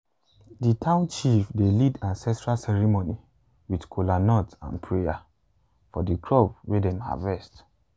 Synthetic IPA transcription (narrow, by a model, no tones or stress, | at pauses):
ditʰãʊ̃nt͡ʃifdelidãnsɛstɹalsɛɹimoni | widkʰolanɔtã̰npʰɹeja | fɔdikʰɹɔb̚wedɛ̃ma̰vɛst